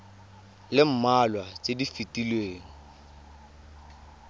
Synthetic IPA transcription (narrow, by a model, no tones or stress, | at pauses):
lɪm̩malwat͡ʃʼedifitʼilweːŋ̩